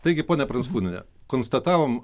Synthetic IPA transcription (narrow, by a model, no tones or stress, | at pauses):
t̪ɐɪɡʲɪpoːnʲɛpɾɐnskuːnʲɪnʲɛ̰ | koːnst̪ɐt̪ɑːʋom